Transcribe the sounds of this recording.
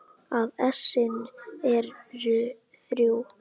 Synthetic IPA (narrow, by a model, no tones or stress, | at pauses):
aðɛsɪnɛɾɾʏ | θɾjuw